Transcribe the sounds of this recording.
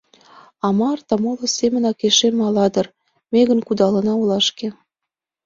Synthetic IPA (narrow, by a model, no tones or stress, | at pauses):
ɑmɑrt̪ɑmolŏsemə̆nɑkeʃemɑlɑd̪ɤ̆r | meɣə̆nkud̪ɑlɤ̆nɑulɑʃke